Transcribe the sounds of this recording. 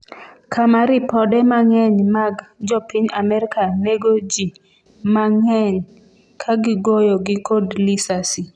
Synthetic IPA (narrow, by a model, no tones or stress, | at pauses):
kʰamaɾipɔdɛmaŋɛɲmaɡd͡ʒɔpiɲamɛɾikaneɡod͡ʒi | maŋɛɲ | kʰaɡɪɡɔjɔɡɪkodlisasi